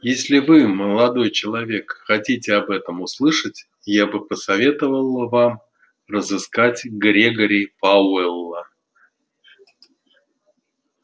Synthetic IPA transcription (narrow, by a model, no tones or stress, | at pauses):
jesʲlʲɪvɨməlˠɐd̪o̞jt͡ɕɪlˠɐvʲe̞kxɐtʲitʲɪɐbɛt̪əmʊslˠɨʂətʲ | jabɨpəsɐvʲe̞t̪əvəlˠvam | rəzɨskatʲɡɾʲeɡəɾʲɪjpaɛlˠːə